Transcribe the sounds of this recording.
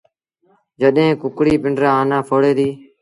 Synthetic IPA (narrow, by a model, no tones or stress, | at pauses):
d͡ʒəɗɦẽːkʊkɽiːpɪɳɖɾãːaːnãːpʰoːɽeːd̪iː